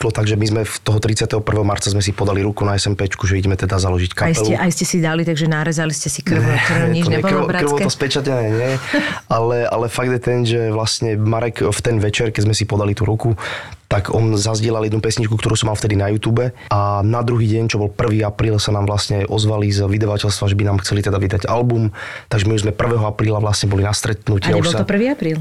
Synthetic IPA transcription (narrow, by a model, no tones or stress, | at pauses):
lɔt̪aɡʒɛmizmɛft̪ɔɦɔt̪ɾitt͡sɪat̪ɛɦɔpr̩ʋɛːɦɔmaɾt͡sazmɛs̬ipɔd̪aliɾukunaɛsɛmpɛt͡ʃkuʒɛiɟɛmɛt̪ɛd̪azalɔʒickaɛluɛʔajscɛsid̪alit̪aɡʒɛnaɾɛzaliscɛsikr̩nɔkrɛɲiɔɲɛɛbɔkbɾakɔt̪ɔspɛt͡ʃacɛnɛːɲɪɛalɛa̰lɛfaɡd̪jɛt̪ɛnʒɛʋlasɲɛmaɾɛɡft̪ɛnʋɛt͡ʃɛɾkɛzmɛsipɔd̪alit̪uɾuku | t̪aɡɔnzazɟɪɛlaljɛd̪nupɛsɲit͡ʃkukt̪ɔɾuːsɔmalft̪ɛd̪inajuːt̪uːbɛ | anad̪ɾuɦiːɟɛɲt͡ʃɔbɔlpr̩ʋiːapɾiːlsanaːmʋlasɲɛʔɔzʋalizʋid̪aʋacɛlst̪ʋaʒɛbinaːmxt͡sɛlit̪ɛd̪aʋid̪aɟalbumt̪aɡʒɛmiuzmɛpr̩ʋɛːɦɔapɾiːlaʋlasɲɛbɔlinast̪ɾɛt̪nucɲɛɛubɔlt̪ɔpr̩ʋiːapɾiːl